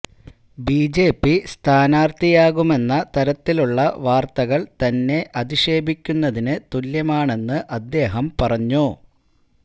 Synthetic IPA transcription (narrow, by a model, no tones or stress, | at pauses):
biːd͡ʑe̞ːpːist̪ʰaːnaːrt̪ijaːɣume̞nːɐt̪ɐɾɐt̪ːiluɭːɐʋaːrt̪ɐɣɐɭt̪ɐnːe̞ʔɐðiʂe̞ːbikʲːunːɐðinɨt̪uljɐmaːɳe̞nːɨʔɐd̪ːe̞ːɦɐmpɐrɐɲːu